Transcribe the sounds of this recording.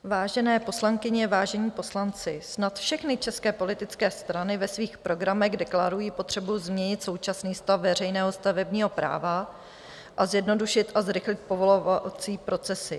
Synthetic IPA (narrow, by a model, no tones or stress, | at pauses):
vaːʒɛnɛːpo̞slaŋkɪɲɛvaːʒɛɲiːpo̞slant͡sɪsnat̪fʃɛxnɪt͡ʃɛskɛːpo̞lɪt̪ɪt͡skɛːst̪ɾanɪvɛsviːxpɾo̞ɡɾamɛɣdɛklaɾujiːpo̞t̪r̝̥ɛbuzmɲɛɲɪt̪so̞wt͡ʃasniːst̪afvɛrɛjnɛːɦo̞st̪avɛbɲiːɦo̞pɾa̰ːva | ʔazjɛdno̞duʃɪt̪ʔazɾɪxlɪt̪̚po̞vo̞lovat͡siːpɾo̞t͡sɛsɪ